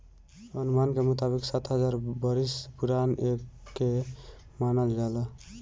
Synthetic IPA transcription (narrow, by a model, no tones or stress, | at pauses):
ənumankemut̪abiksat̪ɦəd͡ʒaɾbəɾispuɾanekːe | manəld͡ʒala